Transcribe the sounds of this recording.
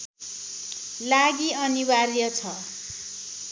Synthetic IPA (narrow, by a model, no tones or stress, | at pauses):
laɡiʌniβarjʌt͡sʰʌ